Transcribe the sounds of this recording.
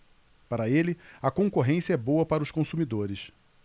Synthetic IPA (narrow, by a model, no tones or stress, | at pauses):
paɾɐelɪɐkõkoɦẽsjɐɛbowɐpaɾɐʊʃkõsumid̪oɾɪs